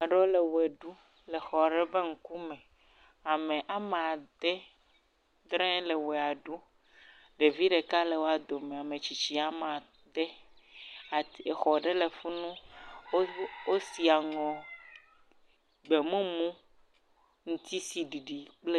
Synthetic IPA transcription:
a˨ɖɔ˦le˨we˨ɖu˦ | le˨xɔ˨ɖe˦be˦ŋ̩˦ku˦mɛ̃˨ | a˨mẽ˨ʔa˨m˨a˨d̪e˦ | d̪ɾɛ̃˦le˨wɛ˨a˨ɖu˦ | ɖe˨vi˦ɖe˨ka˦le˨wo˦a˨d̪o˨mẽ˨a˨mẽ˨t͡ɕi˨t͡ɕi˦a˨mã˨ | d̪e˦ | a˨e˨xɔ˨ɖe˦le˨fu˦nũ˦ | wo˦si˨a˨ŋɔ̃˨ | ɡ͡be˨mũ˦mũ˦ | ŋũ˦t̪i˦si˨ɖi˨ɖi˨k͡ple˦

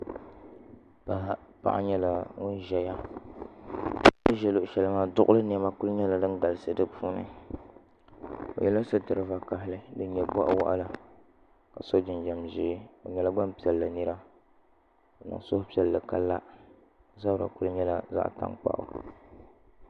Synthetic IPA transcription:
pa˨pa̰˨ʔa̰˦ɲɛ˦la˨ŋʊ˦nʒɛ˨ja˦ | nɨ˦ʒɛ˨lo˨ʔʃɛ˨lɨ˦maː˦dʊ˦ʔʊ˦lɨ˦n˨ɛ˨ma˦ku˦lʊ˦ɲɛ˦la˨dɨ˦nɡa˨lɨ˨sɨ˦dɨ˦pʰuː˦nɨ̰˨ | o̰˨jɛ˦la˦sɨ˦tɨ˨ɾɨ˦va˨ka˨ɦɪ˦lɨ˦dɨ˦ɲɛ˨bɔ˦ʔa̰˦wa̰˦ʔa̰˦la˨ | ka˨so˦d͡ʒɪ˨nd͡ʒɛ˨mʒɪː˦o˨ɲɛ˨la˦ɡ͡ba˦mpi˦ɛ˨lla˨nɨ˦ɾa˦ | o˨na̰˨ŋsʊ˦hʊ˦pi˦ɛ˨llɨ˨ka˦lːa˦ | za˦bɾa̰˨ku˦lɨ˦ɲɛ˦la˦za̰˦ʔta̰˦ŋk͡pa̰˨ʔʊ̰˨

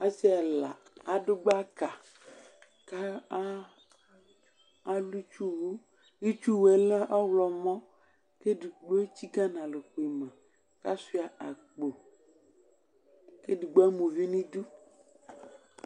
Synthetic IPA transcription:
a˦si˦a˨la˨a˨ɖo˦ɡ͡ba˦ka˨ | ka˦ | a˦lu˦t͡ʃu˦wu˦ | i˦t͡ʃu˦wɛ˨le˦ʔa˦wlɔ˨mɔ̃˦ | ke˦di˨ɡ͡bo˦e˦t͡ɕi˦ɡa˦nã˨le˨xo˨i˨mã˨ | ka˦si˦a˨a˨k͡po˨ | ke˦di˨ɡ͡bo˦a˦mũ˨vi˦nĩ˦du˦

